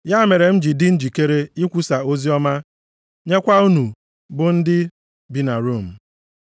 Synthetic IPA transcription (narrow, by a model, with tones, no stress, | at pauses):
ja˦me˨ɾe˨m̩˦d͡ʒi˨dɪ˦n̩˦d͡ʒi˨ke˦ɾe˦i˦kʷu˦sa˨o˦zi˦ɔ˦ma˦ | ɲe˦kʷa˦u˦nu˨ | bʊ˨n̩˦dɪ˦ | bi˦na˨ɾu˦˨m̩˨